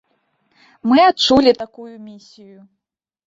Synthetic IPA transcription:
mɨat̚t͡ʂulʲit̪akujumʲisʲiju

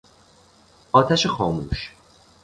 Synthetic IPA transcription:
ɒːt̪ʰæʃexɒːmṵːʃ

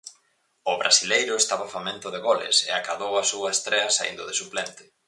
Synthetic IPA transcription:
ʊβɾʔasilejɾʊest̪aβafamẽnt̪ʊðeɣɔlɪ̰sḛakaðowasuɐest̪ɾeɐsaḭnd̪ʊðesuplent̪ɪ̥

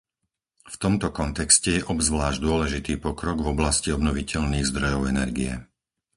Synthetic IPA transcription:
ft̪ɔmt̪ɔkɔnt̪ɛkscɛjɛʔɔbzʋlaːʒɟd̪ʊɔlɛʒit̪iːpɔkɾɔɡvɔblasciɔbnɔʋicɛʎniːɣzd̪ɾɔjɔʊɛnɛɾɡijɛ

